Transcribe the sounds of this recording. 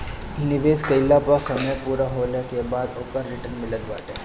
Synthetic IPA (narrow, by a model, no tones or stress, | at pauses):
nɪʋeːskɐɪlːapɐsɐməjpuːɾaɦoːlekebaːd̪oːkəɾːɪʈənmɪlət̪baːʈe